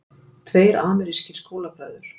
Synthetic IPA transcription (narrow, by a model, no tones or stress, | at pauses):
t̪ʰveːjɾaːmɛɾiscɪskoːwlapɾœːðʏɾ̥